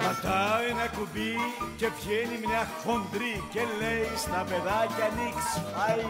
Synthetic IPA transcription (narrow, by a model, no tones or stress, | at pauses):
kɐt̪aenɐkubicepçenimneɐxːond̪ɾicelːejst̪ɐpeðacɐniksfaj